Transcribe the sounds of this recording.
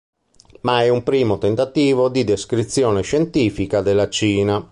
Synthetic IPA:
maɛumpɾiːmot̪ɛnt̪at̪iːvod̪id̪eskɾit̪sːjɔːneʃɛnt̪iːfikad̪elːat͡ʃiːna

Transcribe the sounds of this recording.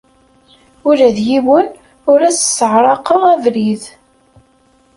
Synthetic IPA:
ʊɾæðjiwən | ʊɾæssəʕɾˤɑqəʁævɾið

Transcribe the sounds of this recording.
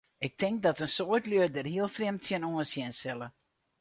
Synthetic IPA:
ɪk̚tɪŋk̚dɔtənsoətlyədərɦiəlˠfrɪmtsjənoənsjɪnsɪlˠə

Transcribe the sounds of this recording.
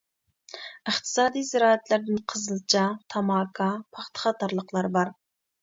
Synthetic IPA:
əχt̪ʰɨ̥sɑːd̪ijzɪɾɑːæt̪lɪɾd̪ɪnqʰəzɨlˠt͡ʃʰɑt̪ʰɑmɑːkʰɑpʰɑχt̪ʰə̥χɑt̪ɑɾlˠəqlˠɑɾbɑɾ

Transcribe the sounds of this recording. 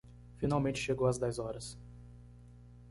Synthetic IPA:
finawmẽnt͡ʃɪ̥ʃeɡowɐzd̪ɛjzɔɾɐs

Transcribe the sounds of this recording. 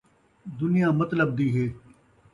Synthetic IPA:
d̪ʊnɪjãːmət̪ləb̚d̪iːɦeː

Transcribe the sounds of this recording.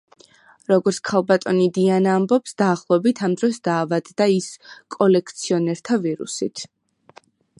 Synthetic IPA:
ɾɔɡɔɾt̪sʰkʰalˠbat̪ʼɔnid̪ianaːmbɔpsd̪aːχlˠɔvɛbit̪ʰamd̪ɾɔsd̪aːvad̪d̪aiskʼɔlɛkʰt̪sʰiɔnɛɾt̪ʰaviɾṵsit̪ʰ

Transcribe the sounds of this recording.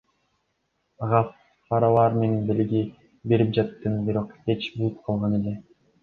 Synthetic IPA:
ɑʁɑ | fɑɾɑlˠɑːɾme̞nenbelʲiɡi | be̞ɾip̚d͡ʒɑt̪ːɯnbiɾo̞qe̞t͡ʃbulˠup̚qʰɑlˠʁɑne̞le

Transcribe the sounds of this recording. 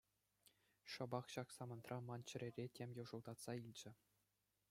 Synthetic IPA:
ʂɤ̆bɑχɕɑksɑmɤ̆nt̪rʔɑmɑnt͡ɕɘ̆ɾʲerʲetʲemʲjuʐɤ̆lˠd̪ɑt̪sɑilʲd͡ʑɘ̆

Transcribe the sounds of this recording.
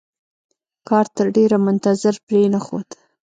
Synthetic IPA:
kɑɾt̪əɾɖeɾamʊnt̪azɪɾpɾenaxo̰d̪

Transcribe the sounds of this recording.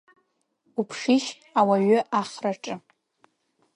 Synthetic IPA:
upʰʂiʃ | awaɥʏʔaχraʈ͡ʂʼɨ

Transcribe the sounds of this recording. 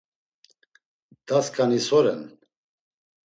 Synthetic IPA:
d̪̥askʰʼanisɔɾɛn

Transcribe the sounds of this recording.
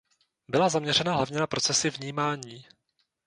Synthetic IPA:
bɪlazamɲɛrɛnaɦlavɲɛnapɾʔo̞t͡sɛsɪvɲiːmaːɲiː

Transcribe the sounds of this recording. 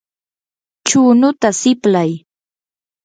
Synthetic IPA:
t͡ʃuːnʊt̪asɪplaj

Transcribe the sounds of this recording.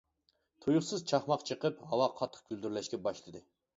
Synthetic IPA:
t̪ʰojuχsɨzt͡ʃʰɑχmɑqt͡ʃʰəqəpɦɑwɑqʰɑt̪ʰːə̥q̚kʲyld̪yɾlɛʃkʲɛbɑʃlˠɨd̪ɨ

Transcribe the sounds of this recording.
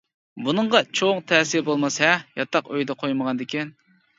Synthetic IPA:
bunɨɴʁɑt͡ʃʰoŋt̪ʰɛːsɪɾbolˠmɑsɛjɑt̪ʰɑqøjd̪ɛqʰojməʁɑnd̪ɪkʲʰɛn

